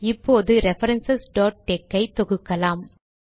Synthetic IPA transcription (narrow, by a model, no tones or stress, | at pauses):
ɪpːoːðɯɾɛfɐɾɐnsɐsɖoːʈ̚ʈeːkːɐɪt̪ɔɣɯkːɐlaːm